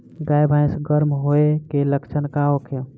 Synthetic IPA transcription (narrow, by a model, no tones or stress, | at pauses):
ɡajbʱaj̃sɡəɾmɦoekeləkt͡ʃʰənkaɦokʰe